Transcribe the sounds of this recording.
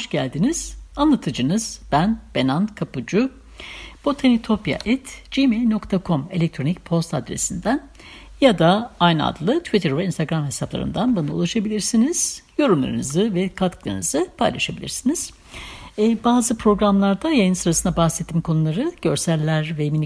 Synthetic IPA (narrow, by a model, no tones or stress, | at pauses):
ʃɟælʲd̪iniz̥anlˠat̪ʰɯd͡ʒɯnɯz̥b̥ænb̥e̞nankʰapud͡ʒu | b̥ot̪ʰenit̪ʰo̞pja̰ʔɛt̪d͡ʒimejlʲno̞kt̪ʰakʰo̞me̞lʲɛc̚t̪ʰɾo̞nic̚pʰo̞st̪ʰad̪ɾḛsind̪æn | jad̪aajna̰d̪lˠɯt̪ʰvit̪ʰɛɾvɛinst̪ʰaɡɾamhɦe̞saplˠa̰ɾɯ̰nd̪anbunaṵlˠaʃabilʲiɾsiniz̥jo̞ɾumlˠa̰ɾnɯzɯvɛkʰat̪klˠa̰ɾnɯzɯpʰa̰jlˠa̰ʃabilʲḭɾsiniz̥ | baːzɯpɾo̞ɡɾamlˠaɾd̪ajajɯnsɯɾasɯnd̪abaxsɛt̪ʰːimkʰo̞nulˠaɾɯɟ̥ø̞ɾsælːʲæɾvɛmini